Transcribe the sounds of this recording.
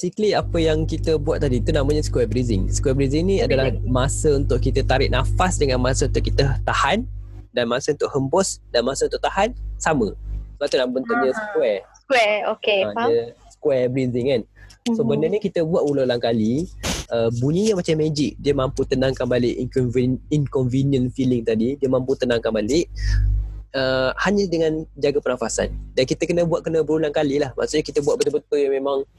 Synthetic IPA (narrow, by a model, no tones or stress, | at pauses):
sikliapəjaŋkit̪əbuwat̪̚t̪ːadit̪unamə̃ɲaskwɛbɾizɪŋsə̥kwɛbɾiziŋnĩadalahmasəunt̪ʊʔkit̪ət̪aɾɪʔ̚nafasdəŋanmasəunt̪ʊʔkit̪ət̪ahandanmasəunt̪ʊʔhəmbɔsdanmasəunt̪ʊʔt̪ahansaməsəbaʔt̪unãməunt̪uʔdiəskwɛskwɛokeəsə̥kwɛbɾiziŋkansobənəɲəkit̪əbuaʔulolaŋkaliəbuɲĩɲamat͡ʃamːed͡ʒɪk̚diəmamput̪ənaŋkanbalɪʔ | iŋkɔnviniənfilɪŋt̪adidiəmãmput̪ənãŋkanbalɪʔ̚ | əhaɲədəŋãnd͡ʒaɡapənafasa̰ndankit̪əkənəbuaʔ̚kənəbəɾulaŋkalilahma̰ʔsuʔɲakit̪əbuaʔ̚bət̪ubənt̪ʊjamemaŋ